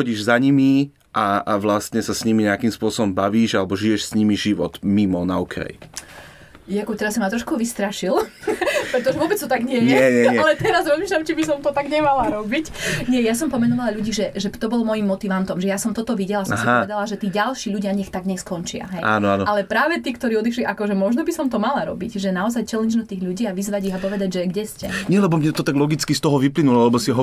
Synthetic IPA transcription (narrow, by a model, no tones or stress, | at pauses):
xɔɟiːʒzaɲimi | ʔaaʋlast̪ɲɛsasɲimiɲɛakimspʊɔsɔbɔmbaʋiːʒalɛbɔʒijɛʃsɲimiʒiʋɔ̰t̪mimɔnaukɾɛ̰j | jakɔt̪ɛɾasɔmːat̪ɾɔʃkuʋist̪ɾaʃilpɾɛt̪ɔʒɛʋʊɔbɛt͡st̪ɔt̪aɡɲɛjɲɪɛɛɲɛɲɛalɛt̪ɛɾazɾɔzmiːʃlʎamt͡ʃibisɔmt̪ɔt̪aɡɲɛmalaɾɔbicɲɪɛjasɔmpɔmɛnɔʋalaʎuɟiːʒɛʒɛt̪ɔbɔlmɔjimːɔt̪iʋant̪ɔmʒɛjasɔmt̪ɔt̪ɔʋiɟɛlasɔmsiɔʋɛd̪alaʒɛt̪iːɟalʃiːʎuɟɪaɲɛxt̪aɡɲɛskɔnt͡ʃɪa̰ɦɛja̰ːnɔanɔʔalɛpɾaːʋɛt̪iːkt̪ɔɾiːɔd̪iʃliʔakɔʒɛmɔʒnɔbisɔmt̪ɔmalaɾɔ̰bicʒɛnaɔzajt͡ʃɛlɛɲd͡ʒnɔt̪iːɣʎuɟiːaʋizʋaɟiɣapɔʋɛd̪aɟʒɛɡɟɛscɛ̰ɲɛlɛbɔmɲɛt̪ɔt̪aɡlɔɡit͡skist̪ɔɦɔʋiplinulɔalɛbɔsiɦɔ